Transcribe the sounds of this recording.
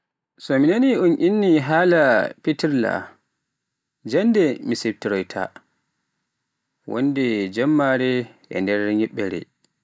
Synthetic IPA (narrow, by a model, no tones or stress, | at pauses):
sɔminaniunʔinːiɦaːlapitiɾla̰ | d͡ʒandɛmiseptiɾɔjtʰa̰ | wo̰ndɛd͡ʒamːaɾɛʔɛ̰ndɛɾɲiɓːɛɾɛ̰